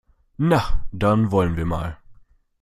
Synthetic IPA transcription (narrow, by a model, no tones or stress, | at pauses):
nad̪ɑnvɔlənviːma̰ːl